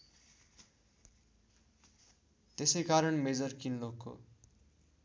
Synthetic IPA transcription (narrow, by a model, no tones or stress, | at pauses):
t̪esʌjkaɾʌɳmed͡zʌrkinlokːo̰